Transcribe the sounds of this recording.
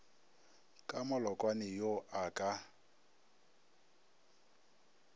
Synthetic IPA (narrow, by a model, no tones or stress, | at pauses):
kʼamʊlɔkʼwanɪjoʔakʼa